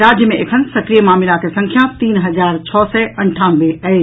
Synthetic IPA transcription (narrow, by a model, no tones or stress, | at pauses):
ɾaːd͡ʑjəmẽʔekʰənsɐkɾijemaːmɪlakʰesɐ̃ŋkʰjãt̪iːnɦɐzaːɾt͡ɕʰɔːsɛʔɐ̃ɳʈʰaːnʋeɐe